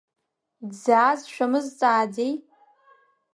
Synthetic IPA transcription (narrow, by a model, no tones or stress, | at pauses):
zaːzʃᶣamɨzt͡sʼaːd͡zej